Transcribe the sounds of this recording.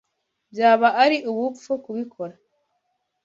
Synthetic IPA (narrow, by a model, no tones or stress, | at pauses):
bjaːβaʔːɾiʔuβuku̥fokuβikʰo̞ɾa